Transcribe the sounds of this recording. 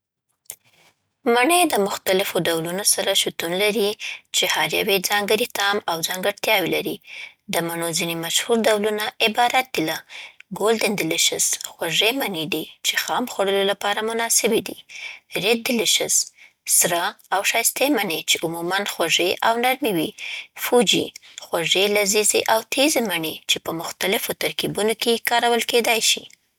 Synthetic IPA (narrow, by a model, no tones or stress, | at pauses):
maɳəjd̪əmʊxt̪alɪfoɖawlunosaɾaʃut̪unlaɾit͡ʃehɑɾja̰wed͡zɑŋɡəɾit̪ɑmawzɑŋɡaɽt̪jɑwelaɾi | d̪əmaɳozinemaʃhuɾd̪awlunaʔɪbɑɾat̪̚d̪ilaɡold̪ɪnd̪ɪlɪʃɪzxwaʐemaned̪it͡ʃexɑmxwaɽəlolapɑɾamʊnɑsɪbid̪iɾed̪̚d̪ɪlɪʃɪz | sɾɑawʃɑjst̪emaɳet͡ʃeʔumumanxwaʐeʔawnaɾmiwifud͡ʒḭxwaʐelazizeʔawt̪ʰezemaɳet͡ʃepəmʊxt̪alɪfot̪aɾkibunokekɑɾawəlked̪ɑjʃḭ